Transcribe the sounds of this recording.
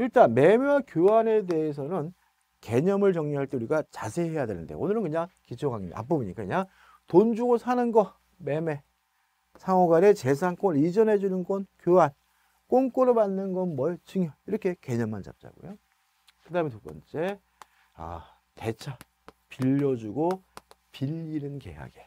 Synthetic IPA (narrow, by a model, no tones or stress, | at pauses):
iɭt͈anme̞mewakjoɦane̞de̞ːs̬ʰʌnɯn | ke̞ɲʌmɯɭt͡ɕʌŋɲuɦaɭt͈euɾiɡat͡ɕasʰe̞ɦe̞jade̞nɯndḛonɯɾɯnkɯɲaŋkit͡ɕʰoŋɦaŋimda̰a̰p͈ʌbuɲik͈akɯɲaŋ | tond͡ʑuɡosʰanɯnɡʌ | me̞me̞ | sʰaŋoɡanet͡ɕe̞sʰankoɯid͡ʑʌnɦe̞d͡ʑunɯnɡʌnkjoɦan | k͈oŋk͈oɾomanːɯnɡʌnmʌet͡ɕɯŋjʌiɾʌkʰe̞ke̞ɲʌmːant͡ɕa̰p̚t͡ɕ͈a̰ɡo̰jo | kɯdaɦɯmetup͈ʌ̰nt͡ɕ͈e̞ | a̰ | te̞t͡ɕʰa | piʎːʌd͡ʑuɡopiʎːinɯnke̞̰ɦa̰ɡe̞